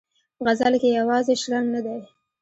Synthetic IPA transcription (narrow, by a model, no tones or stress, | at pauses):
ɣazalkejawɑzeʃɾaŋɡnad̪aj